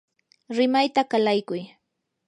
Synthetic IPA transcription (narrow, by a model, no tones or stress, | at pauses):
ɾɪmajt̪akalajkʊj